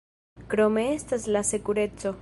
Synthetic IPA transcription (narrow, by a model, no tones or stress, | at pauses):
kɾo̞me̞estaslase̞kuɾe̞t͡so̞